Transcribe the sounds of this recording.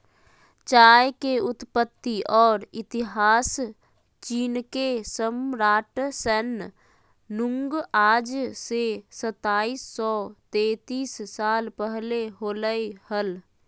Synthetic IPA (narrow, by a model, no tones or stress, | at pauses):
t͡ʃaːjkeʊt̪pət̪ːiʔɔːɾɪt̪ɪɦaːs | t͡ʃiːnkesəmɾaːʈsən | nʊ̃ŋɡaːd͡ʒsesət̪aːiːsːɔt̪eːt̪iːsːaːlpəɦleɦoləehəl